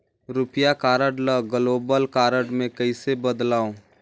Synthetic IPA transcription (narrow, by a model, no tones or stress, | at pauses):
ɾʊpjakaːɾəɖləɡəloːbəlkaːɾəɖmẽkəɪsebəd̪laːõ